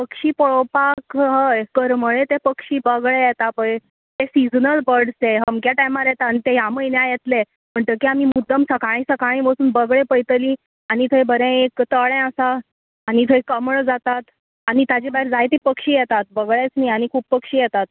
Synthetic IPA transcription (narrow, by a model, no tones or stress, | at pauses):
pəkɕiːpəɭopakɦəkəɾməɭet̪epəkʂiːbəɡɭejɛt̪apəj | t̪esid͡znəlbəɽseɦəmkjaʈajmaɾjɛt̪anit̪eɦjaməjnjajɛt̪le | m̤əɳʈ̪əkiamimud̪ʱːəmsəkaɭ̃ĩsəkaɭ̃ĩːʋəsuːnbəɡɭẽpəjt̪əlĩ | añit̪ʰəjbəɾɛ̃ekt̪əɭɛ̃əsaː | ɽ̃it̪ʰəjkəmɭd͡zat̪at̪ | añit̪ad͡ʑibaɦiɾd͡zajt̪ipəkʂiːjɛt̪at̪̚bəɡɭet͡sniaɽ̃ikʰuːp̚pəkʂiːjɛt̪at̪̚